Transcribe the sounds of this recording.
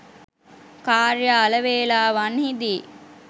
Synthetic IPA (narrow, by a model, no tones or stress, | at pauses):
kaːɾjaːləʋeːlaːʋanhid̪i